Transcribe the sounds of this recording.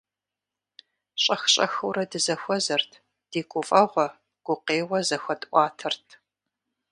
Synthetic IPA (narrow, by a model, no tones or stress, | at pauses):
ɕʼɐxɕʼɐ̰xuɾɐdɨzɐxʷɔzɐrtʰ | d̥eːkʷʼʊfʼɐʁʷɔ | ɡ̥ʷʊqeːwɐzɐxʷɐtʼʔʷʼɑːtʰɐrtʰ